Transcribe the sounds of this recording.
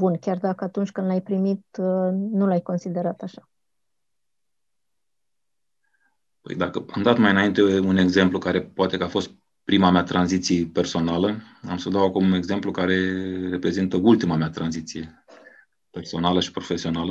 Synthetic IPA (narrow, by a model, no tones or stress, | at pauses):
bunkʲard̪akəat̪unt͡ʃʲkɨnd̪lajpɾimit̪nulajko̞nsid̪e̞ɾat̪aʃḁ | pə̰jd̪akəamd̪at̪majɨnaint̪e̞une̞ɡze̞mplukaɾe̞poat̪e̞kəafo̞st̪̚ | pɾimameat̪ɾanzit̪sijepe̞rso̞nalə | amsəd̪awakumune̞ɡze̞mplukaɾe̞re̞pɾe̞zint̪əult̪imameat̪ɾanzit̪sije̞ | pe̞rso̞naləʃi̥pɾo̞fe̞sio̞nalə